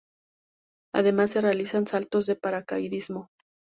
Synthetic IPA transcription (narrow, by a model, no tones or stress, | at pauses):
a̰ðe̞masːe̞realisansalt̪o̞zðe̞paɾakajðizmo̞